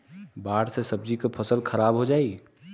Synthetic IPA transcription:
baːɽsesɐb̚d͡ʒikapʰɐsəlkʰɐɾaːbɦod͡ʒaːiː

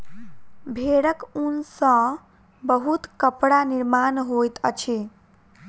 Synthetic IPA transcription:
bʱeɽəkunsə̃ | bəɦut̪kəpɽaniɾmanɦojt̪ə̰t͡ʃʰi

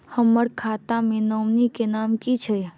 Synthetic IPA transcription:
həməɽkʰat̪amẽnəmnikenaːmkit͡ʃʰe

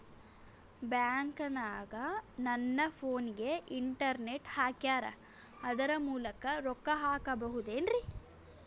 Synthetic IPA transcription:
bjaːŋkɐnaːɡɐnɐnːɐpʰoːniɡe̞ʔiɳʈɐɾne̞ʈhaːkjaːɾɐ̰ | ɐd̪ɐɾɐmuːlɐkɐɾɔkːɐɦaːkɐbɐɦud̪eːnɾi

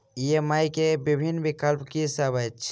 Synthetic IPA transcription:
iemajkebibʱinːbikəlpkisəbət͡ʃʰ

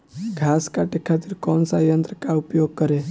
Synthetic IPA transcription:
ɡʱaskaʈekʰat̪iɾkɔːnsajənt̪ɾəkaupjoɡ̚kəɾe

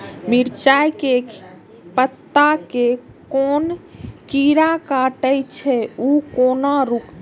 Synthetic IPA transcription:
miɾt͡ʃajke | pət̪ːake | konkiɾakaʈəjt͡ʃʰɛukoːnaɾuk̪

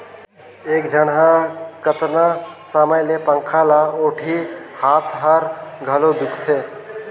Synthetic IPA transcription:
eːkd͡ʒʱəɽɦakət̪nasaːməjlepəŋkʰaːlaoːʈʰihaːt̪ʰɦəɾɡʱəlod̪ʊkʰt̪ʰeː

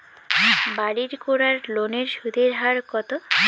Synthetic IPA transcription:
baɽiɾkoɾaɾloneɾʃud̪ʱeɾɦaɾkɔt̪o

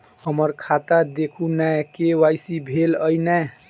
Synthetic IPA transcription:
həməɾkʰat̪ad̪ekʰunajkewajsibʱelənɛ

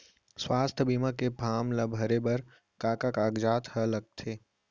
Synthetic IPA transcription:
swaːst̪ʰbiːmãkepʰaːmlabʱɐɾebɐɾ | kaːkakaːɡd͡ʒaːt̪hələɡ̚t̪ʰeː

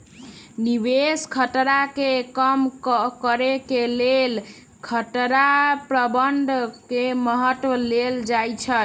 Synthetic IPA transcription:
nibeskʰəʈɾakekəmkəɾekelel | kʰəʈɾapɾəbəɳɖ̪ʱkeməɦət̪wəleld͡ʒajt͡ʃʰə

